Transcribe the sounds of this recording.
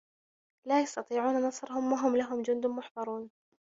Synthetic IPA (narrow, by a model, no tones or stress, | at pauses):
lajɑst̪ɑt̪ˤiːʕuːnanɑsˤɾhʊmwaɦʊmlaɦʊmd͡ʒʊnd̪ʊmʊħbɑɾˤuːn